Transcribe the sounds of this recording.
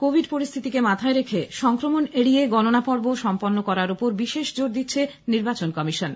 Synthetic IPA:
kobʱiɖpoɾist̪ʰit̪ikemat̪ʰaeɾekʰeʃɔŋkɾomoneɽijeɡɔnonapɔɾboʃɔmponːokɔɾaɾupoɾbiʃeʃd͡ʑoɾd̪itːɕʰe | niɾbat͡ɕonkɔmiʃon

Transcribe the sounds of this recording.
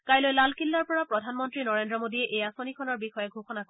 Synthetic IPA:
kajlojlalkilːaɹpɔɹapɹɔdʱanmɔntɹinɔɹendɹɔmodiɛʔejasonikʰɔnɔɹbixɔjɛɡʱoxɔnakɔ

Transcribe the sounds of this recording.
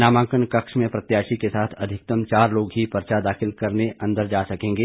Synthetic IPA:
naːmãːkənkɐkʃmẽpɾɐt̪jaːʃikesaːt̪ʰɐd̪ʱɪk̚t̪əmt͡ʃaːɾloːɡɦipɐɾt͡ʃad̪aːxɪlkɐɾneɐ̃nd̪əɾd͡ʒaːsɐkẽːŋɡeː

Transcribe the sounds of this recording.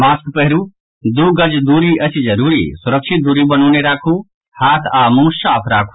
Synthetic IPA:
maːskpəɦɾuː | d̪uːɡəd͡ʒd̪uːɾiɐt͡ʃʰd͡ʒɐɾuːɾḭːsʊɾəkʃɪt̪̚d̪uːɾibɐñuːneɾaːkʰuː | haːt̪ʰaːmũːʃaːpʰɾaːkʰu̥

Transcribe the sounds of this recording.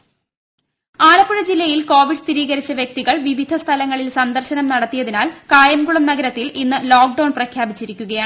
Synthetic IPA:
aːlɐpːuɻɐd͡ʑilːɐjilko̞ːʋiɖɨst̪ʰiɾiːɣɐɾit͡ɕːɐʋjɐk̚t̪iɣɐɭʋiʋid̪ʱɐst̪ʰɐlɐŋːɐɭilsɐnd̪ɐrɕɐnɐmnɐɽɐt̪ːijɐðinaːlkaːjɐmɡuɭɐmnɐɡɐɾɐt̪ːilʔinːɨloːk̚ɖɐwɳnprɐkʰjaːbit͡ɕːiɾikʲːuɣɐjaːɳ

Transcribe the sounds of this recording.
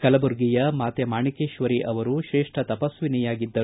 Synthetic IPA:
kɐlɐbuɾɡijɐmaːt̪jɐmaːɳikeːʃʋɐɾiʔɐʋɐɾuʃɾeːʂʈʰɐt̪ɐpɐsʋinijaːɡid̪ːɐ

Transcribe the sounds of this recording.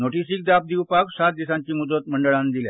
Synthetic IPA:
noʈisiːk̚d̪ap̚d̪iwpaksat̪̚d̪isãɲt͡ɕiːmud̪ət̪̚məɳɖəɭãnd̪ilja̰

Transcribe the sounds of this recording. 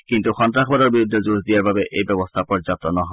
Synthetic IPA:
kintuxɔntɹaxʰbadɔɹbiɾud̪ʱːɔzuzdijaɹbabɛʔejbɛbɔst̪ʰapɔɹzap̚t̪ɔnɔɦɔ

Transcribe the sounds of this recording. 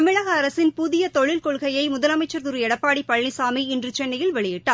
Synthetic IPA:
ɐmɪɻɐɣɐːɾɐsɪnpʊðɪjɐt̪ɔɭɪlkɔɭɣɐjɐɪmʊðɐlɐmɐɪt͡ʃːɐɾt̪ɯɾɯɛɽɐpːaːɽipːɐɭːɪsaːmiɪndrɯt͡ʃɛnːɐjɪlʋɛɭɪjɪʈːaː

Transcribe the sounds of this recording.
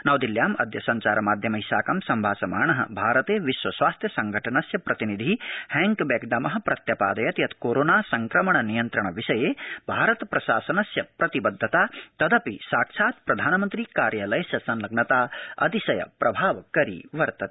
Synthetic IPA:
nɐʋd̪iljaːmɐ̰d̪ʱjɐsɐɲt͡ʃaːɾɐmaːd̪ʱjɐmɐɦisaːkɐmsɐmbʱaːsɐmaːɳɐɦɐ̰bʱaːɾɐt̪eːʋiʃʋwɐswaːst̪ʰjɐsɐŋɡʱɐʈʰɐnɐsjɐpɾɐt̪inid̪ʱihɛŋkbeːɡɖɐmɐɦɐpɾɐt̪jɐpaːd̪ɐjɐt̪ijɐt̪koːɾoːnaːsɐŋkɾɐmɐɳɐnijɐnt̪ɾɐɳɐʋiʃɐjeːbʱaːɾɐt̪pɾɐʃaːsɐnɐsjɐpɾɐt̪ibɐd̪ʱːɐt̪aːt̪ɐd̪ɐpisaːkʃʰaːt̪pɾɐd̪ʱaːnɐmɐnt̪ɾiːkaːɾjaːlɐjɐsjɐsɐnlɐɡnɐt̪aːɐ̰t̪isɐjɐ̰pɾɐbʱaːʋkɐɾḭʋɐɾt̪ɐt̪

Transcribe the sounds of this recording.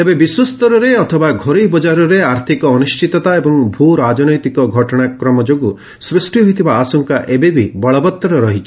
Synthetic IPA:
t̪ebebiswɔst̪ɔɾɔɾeɔt̪ʰɔbaɡʱɔɾibɔd͡ʒaɾɔɾeaɾt̪ʰikɔːnust͡ʃit̪ɔt̪aebɔŋbʱuɾad͡ʒɔnɔjt̪ikɔɡʱɔʈɔɽ̃akɾɔmɔd͡ʒoɡu | sɾusʈiɦojt̪ʰibaːsɔŋkaʔebebʱibɔɭɔbɔt̪ːɔɾɔɾɔɦit͡ʃʰɔ̥

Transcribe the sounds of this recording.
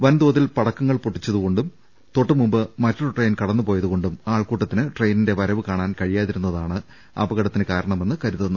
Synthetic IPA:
ʋɐnd̪oːɐðilpɐɽɐkːɐŋːɐɭpuʈːit͡ɕːɐðuɣo̞ɳɖum | t̪o̞ʈːɨmumbɨmɐtːoɽʈrejnkɐɽɐnːupo̞ːjɐðuɣo̞ɳɖumaːɭkuːʈːɐt̪ːinɨʈrejninde̞ʋɐɾɐʋɨkaːɳaːnkɐɻijaːðiɾunːɐðaːɳɨ | ɐ̰bɐɣɐɽɐt̪ːinɨkaːɾɐɳɐme̞nːɨkɐɾuðɐnːu

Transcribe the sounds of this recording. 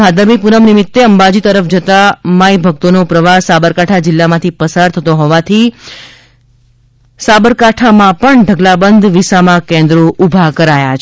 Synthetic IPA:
ad̪əmipunəmnɪmɪt̪ːeəmbad͡ʒit̪əɾəfd͡ʒət̪amajbʱək̚t̪onopɾəʋasabəɾkaʈʰad͡ʒɪlːamãt̪ʰipəsaɾt̪ʰət̪oɦɔʋat̪ʰi | sabəɾkaʈʰamãpəɳɖʱəɡlabənd̪ʋisamãkẽnd̪ɾoʔubʱakəɾajat͡ʃʰ

